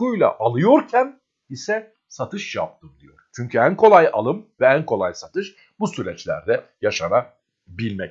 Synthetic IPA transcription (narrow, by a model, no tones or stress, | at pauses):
ujlʲˠa̰ʔalˠɯjo̞ɾcʰæn | isɛ | sat̪ʰɯʃja̰p̚t̪ʰɯmd̪ijo̞̰ɾ̥t͡ʃʰyɲcʰyænkʰo̞lˠaja̰lˠɯmvɛænkʰo̞lˠajsat̪ʰɯʃ | busyɾɛt͡ʃlʲæ̰ɾd̪ɛjaʃana | bilʲmɛc